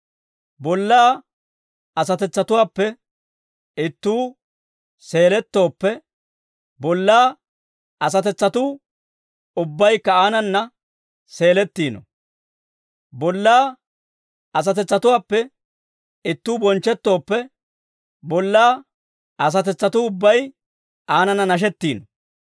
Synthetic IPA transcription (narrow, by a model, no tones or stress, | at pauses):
bɔlːaː | ɐsɐt̪ɛt͡sːɐt̪ʊwaːpːɛ | ɪt̪ːuː | se̞ːlɛt̪ːo̞ːpːɛ | bɔlːaː | ɐs̬ɐt̪ɛt͡sːɐt̪uː | ʊbːɐjkːɐaːnɐnːɐ | se̞ːlɛt̪ːiːnɔ̰ | bɔlːaː | ɐs̬ɐt̪ɛt͡sːɐt̪ʊwaːpːɛ | ɪt̪ːuːbɔnt͡ʃːɛt̪ːo̞ːpːɛ | bɔlːaː | ʔɐs̬ɐt̪ɛt͡sːɐt̪ʊʊbːɐj | ʔaːnɐnːɐnɐʃ̬ɛt̪ːiːnɔ